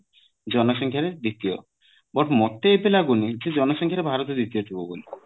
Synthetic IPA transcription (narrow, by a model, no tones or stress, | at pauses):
d͡ʒɔnoʃɔŋkʰjaɾed̪it̪io̰ | bɔʈmɔt̪ːeepelaɡunid͡ʒed͡ʒɔnoʃɔŋkʰjaɾebʱaɾot̪od̪it̪ijot̪ʰiboɡoli